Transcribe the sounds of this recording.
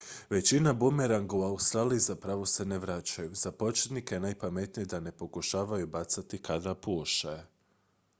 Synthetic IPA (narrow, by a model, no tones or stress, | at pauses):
ʋe̞t͡ɕinabumeɾaŋɡuaust̪ɾaːliizapɾaʋo̞se̞neʋɾat͡ɕajuz̥apo̞t͡ʃet̪nikenajpame̞t̪nijd̪ane̞po̞kuʃaːʋajubat̪sat̪ikad̪apuoʃa